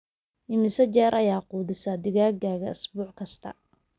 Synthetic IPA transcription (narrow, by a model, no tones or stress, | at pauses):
ʔɪmɪsɐt͡ʃɛːɾʔɐjaːquːðɪsɐd̪ɪɣaːɡaːɣɐɪsbuːʕkʰɐst̪ʰɐ̰